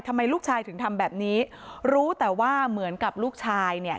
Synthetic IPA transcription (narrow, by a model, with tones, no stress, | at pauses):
jt̪ʰa˧mːa˧jluː˥˩k̚t͡ɕʰaː˧jt̪ʰɯ˩˦ŋt̪ʰa˧mbɛː˨˩p̚niː˦˥ | ɾuː˦˥t̪ɛː˨˩waː˥˩mɯ˨˩˦ənka˨˩p̚luː˥˩k̚t͡ɕʰaː˧jni˥˩ɐ